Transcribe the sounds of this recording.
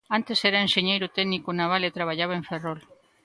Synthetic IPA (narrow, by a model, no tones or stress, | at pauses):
ant̪e̞seɾaenʃeɲejɾut̪eɡnikunaβ̞alet̪ɾaβ̞aʎaβ̞aeɱferol